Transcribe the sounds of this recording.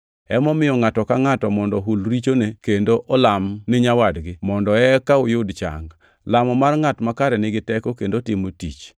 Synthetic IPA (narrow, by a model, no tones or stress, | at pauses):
ɛmɔmɪjɔŋatɔkaŋatɔmɔndɔɦulɾit͡ʃonekendoʔɔlamnɪɲawadɡɪmɔndɔɛkaʊjʊdt͡ʃa̰ŋ | lamɔmarŋatmakaɾɛnɪɡɪtɛkokendotɪmotḭt͡ʃ